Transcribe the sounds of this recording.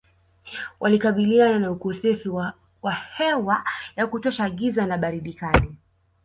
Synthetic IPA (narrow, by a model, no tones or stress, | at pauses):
wʔalikaɓiliananaukɔsɛfi | wahɛwajakutɔʃaːɠizanaɓaɾiɗikani